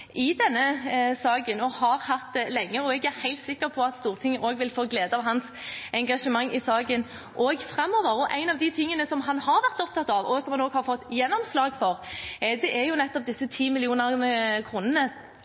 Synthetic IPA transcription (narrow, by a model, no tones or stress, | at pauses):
ʔɪd̪ɛnːəsɑːɡənɔhɑʁhɑt̪lɛŋːəɔɛɡæɾhæɪlt̪sɪkːəɾpʰɔɑt̪st̪uːʁt̪ʰɪŋːʔoːɡʋɪlfoːɡleːd̪əɑʋɦɑns | ɛŋɡɑʂəmɑŋːʔɪsɑːɡən | ʔɔːɡfɾɛmːɔːʋəɾɔʔæɪnɑʋd̪ɪt̪ʰɪŋːənəsɔmɦɑnhɑɾʋæʁt̪ɔp̚t̪ʰɑt̪ːɑʋɔsɔmhɑnoːɡhɑʁfɔt̪ːjɛnːɔmslɑːɡfɔʁd̪ɛʔæjʊnɛt̪ːɔp̚d̪ɪsːət̪ʰiːmɪlɪuːnəʁnəkʰɾuːnənə